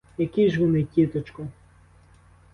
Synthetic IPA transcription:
jɐkʲiʒʋɔnɪkʲit̪ɔt͡ʃkɔ

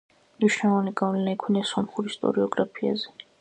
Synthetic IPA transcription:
mniʃnalˠɔvaniɡavlɛnaikʰwinasɔmχuɾist̪ʼɔ̰ɾiɔɡɾapʰia̰zɛ

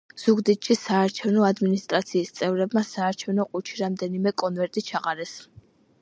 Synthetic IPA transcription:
z̥uɡd̪it̪ʼʃisaːɾt͡ʃʰɛvnɔad̪minist̪ʼɾat̪sʰiːst̪sʼɛvɾɛbmasaːɾt͡ʃʰɛvnɔqʼut͡ʃʰiɾamd̪ɛnimɛkʼɔnvɛɾt̪ʼit͡ʃʰaqʼaɾɛs

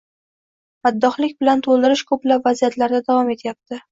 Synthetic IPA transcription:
mad̪ːɒχlɪkʲbɪlant̪ʰolˠd̪ɪɾɪʃkʰɵplapvazijat̪ʰlaɾd̪ad̪avɒmet̪ʰjap̚t̪ʰɪ

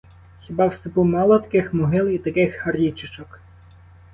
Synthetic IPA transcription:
xʲibɑwst̪ɪpumɑlˠɔt̪ɐ̥kɪxmʊɦɪlˠit̪ɐkɪxhɐrʲit͡ʃɪt͡ʃɔk

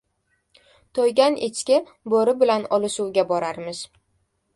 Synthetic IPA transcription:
t̪ʰojɡʲanet͡ʃkʲɪ | boɾɪbɪlanɒlɪʃuwɡʲabɒɾaɾmɪz̥

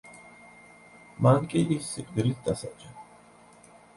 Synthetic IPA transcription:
mankʼiʔisiqʼd̪iɾit̪̚ʰd̪asad͡ʒɛ

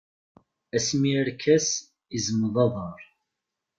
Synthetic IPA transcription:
æsmiəɾkʰæs | izəməðˤɑðˤɑɾˤ

